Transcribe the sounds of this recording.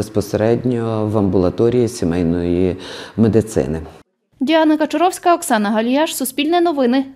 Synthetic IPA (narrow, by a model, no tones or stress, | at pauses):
espɔseɾɛdʲnʲɔʋɐmbʊlˠɐt̪ɔɾʲijisʲimɛjnɔjimed̪ɪt̪sɪ̰nɪ | dʲiɑnɐkɐt͡ʃɔɾɔwsʲkɐɔksɑnɐɦɐlʲjaʃsʊsʲpʲilʲnɛnɔʋɪnɪ